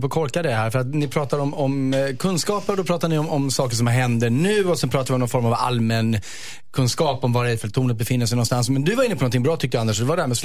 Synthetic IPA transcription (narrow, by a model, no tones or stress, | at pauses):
pʰɔkʰɔɾkad̪ɛɦæːɾfœɾat̪nɪpʰɾɑːt̪aɾɔmɔmkʰɵnskɑːpəɾd̪ɔpʰɾɑːt̪aɳɪɔmɔmsɑːkəʂ̬ɔmɦɛnd̪əɳʉ̟ːɔsɛnpʰɾɑːt̪aɾvɪɔmnɔnfɔɾmava̰lmɛn | kʰɵnskɑːpɔmvaɾɛfəlt̪ʰuːnət̪̚bɛfɪnːəʂ̬ɛjnɔnst̪ansmɛnd̪ɵvaɾɪnːəpɔnɔnt̪ʰɪŋbɾɑːt̪ʰʏk̚t̪d̪and̪əʂɔd̪ɛvaɖɛhæɾmɛs